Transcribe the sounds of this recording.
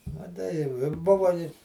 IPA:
mɐˈtɐɪ jɛʊ ɪ ˈbʊʋɐ ɪ

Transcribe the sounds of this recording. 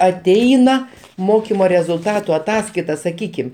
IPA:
ɐˈtʲɛɪnɐ ˈmoːkʲɪmoː rʲɛzʊlˠˈtɑːtʊ ɐˈtɑːskɐɪtɐ sɐˈkʲiːkʲɪm

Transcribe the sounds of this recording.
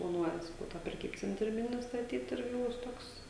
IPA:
plˠɐˈnuɔjɛ sɐˈkɐʊ tɑː pʲrʲɛˈkʲiːpʲt͡sʲɛnʲtʲrʲiː ˈmʲɪnʲɪ stɐˈtʲiːt ˈɪrʲɡʲɪ ˈbʊs ˈtoːks

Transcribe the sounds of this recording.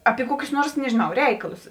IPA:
ɐpʲɪ ˈkuɔkʲʊs ˈnuɔrs nʲɛʒʲɪˈnɐʊ ˈrʲɛɪkɐlˠʊs

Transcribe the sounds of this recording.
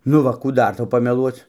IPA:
nʊ ˈʋɐ kuː ˈdɐr ˈtɐʊ pɐmʲɛˈlˠuɔt͡s

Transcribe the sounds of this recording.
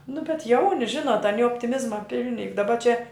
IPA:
nʊ bʲɛt ˈjɛʊnʲɪ ˈʒʲɪnoːt ɐˈnʲɪ oːpʲtʲɪˈmʲɪzmɐ ˈpʲɪlʲnʲɪ jʊk dɐˈbɐ t͡ʃʲɛ

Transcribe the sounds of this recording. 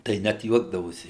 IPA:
tɐɪ ˈnʲæt ˈjuɔɡdɐʋoːsʲɪ

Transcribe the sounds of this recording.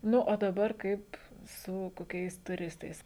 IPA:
ˈnʊ oː dɐˈbɐr ˈkɐɪp sʊ koːˈkʲɛɪs tʊˈrʲɪstɐɪs

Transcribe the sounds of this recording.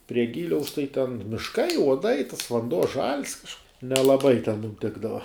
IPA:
pʲrʲiɛ ˈɡʲiːlʲɛʊs tɐɪ tʲɛn mʲɪʃˈkɐɪ uɔˈdɐɪ tɐs ʋɐnˈduɔ ʒɐlʲs kɐʃk nʲɛlˠɐˈbɐɪ tʲɛn ˈtʲɪɡdɐʋɐ

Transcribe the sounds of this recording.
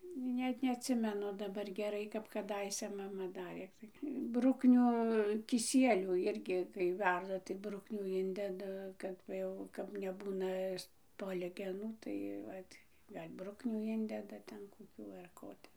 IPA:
ˈnʲɛt nʲɛɐtʲˈsʲɪmʲɛnʊ dɐˈbɐr ɡʲɛˈrɐɪ kɐp kɐˈdɐɪsʲɛ ˈmɑːmɐ ˈdɑːrʲeː ˈtɐɪ ˈbrʊknʲʊ kʲɪˈsʲiɛlʲuː ˈɪrʲɡʲɪ kɐɪ ˈʋʲɛrdɐ tɐɪ ˈbrʊknʲuː ˈɪnʲdʲɛdɐ ˈkɐt ʋɐ ˈjɛʊ kɐp nʲɛˈbuːnɐ ˈspoːlʲɡʲɛnuː tɐɪ ˈʋɐt ˈɡɐlʲ ˈbrʊknʲuː ˈɪnʲdʲɛdɐ ˈtʲɛn koːˈkʲuː ɐr ˈkoː ˈtʲɛ

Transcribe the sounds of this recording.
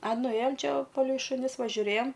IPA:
ɐ nʊˈeːjoːm ˈt͡ʃʲɛ ˈʋɐ pɐlʲɛɪ ʃʊˈnʲɪs ʋɐ ʒʲʊˈrʲeːjoːm

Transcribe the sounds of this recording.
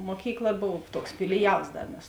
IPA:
ˈmoːkʲiːkˌlˠɐ ˈboːw ˈtuɔks fʲɪlʲɪˈjɛlˠs ˈdɐ mʲɛs

